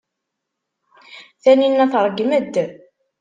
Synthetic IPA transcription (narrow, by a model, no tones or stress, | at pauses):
θæninːæθɾˤɡməd̪ː